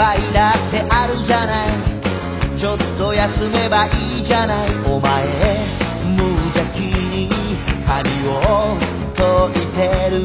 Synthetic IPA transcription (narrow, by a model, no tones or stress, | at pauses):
aid̪at̪ːe̞ʔaɾɯd͡ʒanai | t͡ɕot̪ːo̞jasɨme̞baʔiːd͡ʒanaiomae | mɯd͡ʑakʲiɲikʰamʲio | t̪oit̪eɾɯ